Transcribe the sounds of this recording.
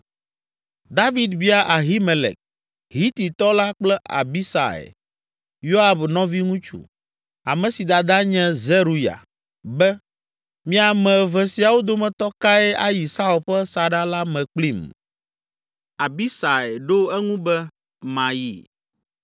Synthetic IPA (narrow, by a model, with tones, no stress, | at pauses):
d̪a˦vi˨d̪bi˦a˦ʔa˨ɦi˦mɛ̃˨lɛ̰˨k̚ | ɦi˦t̪i˨t̪ɔ˦la˦k͡plɛ˦ʔa̰˨bi˦sa̰˨ɛ̰˨ | jo˦a˨bnɔ̃˦vi˦ŋũ˦t͡ʃṵ˦ | a̰˨mɛ̃˨si˨d̪a˨d̪a˦ɲɛ̃˦zɛ˦ɾu˨ja̰˨ | bɛ˦ | mĩ˦a˨mɛ̃˨vɛ˨si˨˦a˨wo˦d̪o˦mɛ̃˨t̪ɔ˦ka˦ɛ˦ʔa˦ji˨sa˦u˨lɸɛ˦sa˨ɖa˦la˦mɛ̃˨k͡pli˦m | a˨bi˦sa˨ɛ˨ɖo˦ɛ˦ŋũ˦bɛ˦ | mã˨jḭ˨